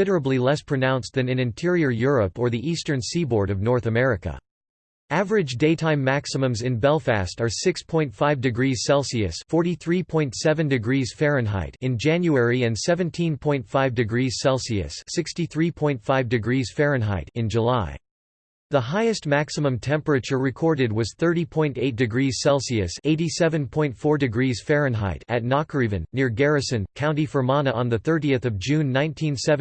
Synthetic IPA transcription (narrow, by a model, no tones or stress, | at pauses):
ɪɾə˞əblilɛspʰɹ̥ɨnãʊ̃nsðɨ̃nɨ̃nɨ̃ntʰɪɹiə˞jʊɹəpə˞ðiʔistə̃˞nsibɔɹɾʌvnɔɹθɨmɛɹɨkə̰ | ævə˞ɨd͡ʒdeɪtʰãɪ̃mːæksəmə̃mzɨ̃nbɛlˠfæ̰stə˞sɪkspʰɔ̃ɪ̃ntfaɪvdɨɡɹiz̥sɛlˠsiɨ̰sfɔɹɾiθɹipʰɔ̃ɪ̃ntsɛvɨ̃ndɨɡɹiz̥fɛɹɨ̃nɦa̰ɪɾɨ̃nd͡ʒæ̃njuɛɹiɨ̃nsɛvɨ̃ntʰĩnpʰɔ̃ɪ̃ntfaɪvdɨɡɹiz̥sɛlˠsiɨ̰sːɪkstiθɹipʰɔ̃ɪ̃ntfaɪvdɨɡɹiz̥fɛɹɨ̃nɦa̰ɪɾɨ̃nd͡ʒəlaɪ | ðəɦaɪɨst̚mæksəmə̃mtʰɛ̃mpəɹɨt͡ʃə˞ɹɨkʰɔɹɾɨd̚wʌz̥θɜ˞ɾipʰɔ̃ɪ̃nteɪt̚d̥ɨɡɹiz̥sɛlˠsiɨseɪɾisɛvɨ̃npʰɔ̃ɪ̃ntfɔɹdɨɡɹiz̥fɛɹɨ̃nɦa̰ɪɾɨtⁿnɑkɹivɨ̃nːɪɹɡɛɹɨsɨ̃nkʰãʊ̃ntifə˞mɑnəə̃nðɨθɜ˞ɾiɨθʌvd͡ʒʉ̃nːãɪ̃ntʰĩnsɛv